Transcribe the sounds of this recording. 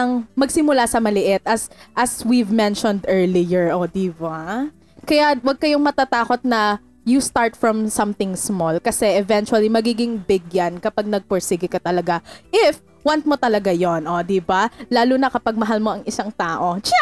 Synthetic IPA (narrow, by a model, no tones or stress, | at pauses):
ɐŋmɐɡsɪmʊlasɐmɐlɪʔɪt̪̚ʔɐsʔɐswivmɛnʃɔnd̪ʔɛɹlijɛɹʔod̪iːba | kɐjawɐɡ̚kɐjoŋmɐt̪at̪aːko̞t̪̚nɐ | just̪aɹt̪fɹɐmsɐmθɪŋsmolkɐsɛʔɛvɛnt͡ʃuɐlimɐɡiːɡɪŋbɪɡjɐnkɐpaɡ̚nɐɡ̚poɹsiɡɪkɐt̪ɐlɐɡaʔɪf | want̪̚mot̪ɐlɐɡajonʔo̞d̪ibalaːlʊnɐkɐpɐɡ̚mɐɦalmo̞ʔɐŋɪsaŋt̪aːʔo̞t͡ʃa